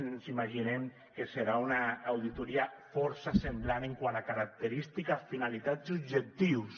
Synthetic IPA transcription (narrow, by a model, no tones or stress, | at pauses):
nsimaʒinem | keseɾaunaːwðit̪uɾiafɔɾsasemblaneŋkwanakaɾak̚t̪eɾist̪ikafinalit̪azubʒek̚t̪iws